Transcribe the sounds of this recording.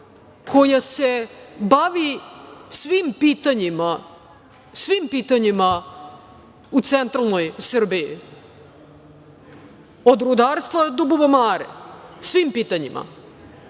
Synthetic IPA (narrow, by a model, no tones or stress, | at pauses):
kʰo̞jase̞baʋisʋimpiːt̪aɲima | sʋimpiːt̪aɲima | ut̪sent̪ɾalˠno̞jsr̩bijḭ | od̪ɾud̪aːɾst̪vad̪obubomaːɾḛsʋimpiːt̪aɲḭmʔa̰